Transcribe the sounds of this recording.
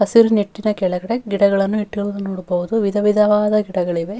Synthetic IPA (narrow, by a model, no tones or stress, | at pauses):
ɐsiɾuniʈːinɐkɛɭɐɡɐɽeɡiɽɐɡɐɭɐnːuiʈːuɡɐɭunɐnoːɽubɐʋud̪uʋid̪ɐʋid̪ɐʋaːd̪ɐɡiɽɐɡɐɭiʋe̞